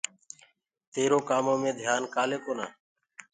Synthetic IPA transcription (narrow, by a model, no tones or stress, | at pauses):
t̪eːɾoːkaːmõːmẽːd̪ʱjaːnkaːleːkoːna̰ː